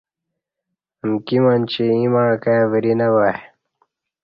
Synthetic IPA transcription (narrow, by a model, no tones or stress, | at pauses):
əmkimant͡ɕiimaːkajavɾinɐwa